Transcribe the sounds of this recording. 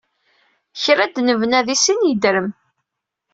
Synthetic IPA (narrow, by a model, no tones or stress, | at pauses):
çɾæd̪nəvnæðisinjəd̪ɾəm